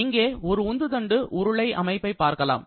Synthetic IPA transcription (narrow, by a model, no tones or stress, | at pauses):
ɪŋɡeːɔɾɯʊnd̪ɯt̪ɐɳɖɯʔʊɾʊɭɐɪʔɐ̰mɐɪpːɐɪpːaːɾkɐla̰ːm